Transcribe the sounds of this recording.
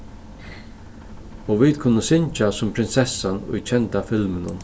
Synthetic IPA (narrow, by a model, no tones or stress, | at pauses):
ɔːʋid̪kʰʊnːəsɪnt͡ʃasʊmpʰɾɪnsɛsːanʊ̰jt͡ɕʰɛnt̪afɪlmɪnʊ̰n